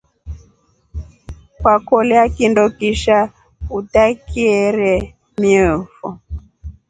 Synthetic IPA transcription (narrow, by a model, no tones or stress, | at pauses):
kwakɔlɛakindɔkiʃa | utakiɛɾɛ | miɛfɔ̰